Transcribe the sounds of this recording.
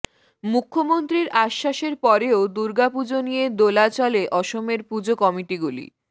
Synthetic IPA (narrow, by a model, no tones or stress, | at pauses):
mukʰːomont̪ɾiɾʔaʃːaʃeɾpɔɾeod̪uɾɡapud͡ʑonijed̪olat͡ɕɔleʔɔʃomeɾpud͡ʑokɔmiʈiɡulḭ